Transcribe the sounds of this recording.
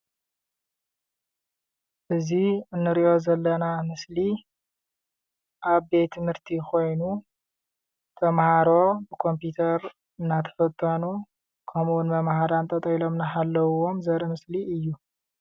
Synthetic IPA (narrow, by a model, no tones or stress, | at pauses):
ʔɨziɨnːɨɾiʔo̞zɐlːɐnamɨsli | ʔaβbe̞t̪ʰːɨmhɨɾt̪ʰikʰo̞jnu | t̪ʰɐmhaɾo̞bɨkʰo̞mput̪ʰɐɾ | ɨnːat̪ʰɐ̥fɐt̪ʼːɐnu | kʰɐmuwunmɐmhaɾant̪ʼɐt̪ʼɐlo̞mnaɦalːɐwuwo̞mzɐɾɐmɨsliɨjːu